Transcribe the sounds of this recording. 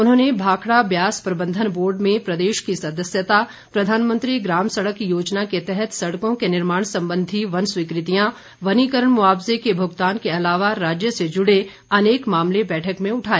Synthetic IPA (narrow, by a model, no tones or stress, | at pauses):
ʊnɦõːnebʱaːkʰɽabjaːspɾɐbə̃nd̪ʱənboːɾɖmẽpɾɐd̪eːʃkisɐd̪əsjət̪a | pɾɐd̪ʱaːnmə̃nt̪ɾiɡɾaːmsɐɽəkːijoːd͡ʒnaket̪ɛɦɛt̪sɐɽkõkenɪɾmaːɳ̃sɐ̃mbə̃nd̪ʱiʋɐnswikɾɪt̪ijã | ʋɐnikəɾəɳmʊaːbzekebʱʊɡt̪aːnkeɐlaːʋaɾaːd͡ʒjəsed͡ʒʊɽe | ɐneːkmaːmlebɛːʈʰəkmẽʊʈʰaːiː